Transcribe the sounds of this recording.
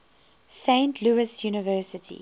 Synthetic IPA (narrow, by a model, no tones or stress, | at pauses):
sẽɪ̃ntʰluɪsjuːnɪvɜːˑsɪtʰḭ